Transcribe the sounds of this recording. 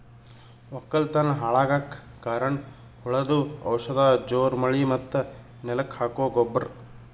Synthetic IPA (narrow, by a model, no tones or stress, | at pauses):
ɔkːɐlt̪ɐnɐɦaːɭaːɡak | kaːɾɐɳ | huɭɐd̪uɐ̰wʂɐd̪ɐd͡ʒoːɾmɐɭimɐt̪ːɐ | nɛlɐkhaːkoːɡobːɐɾ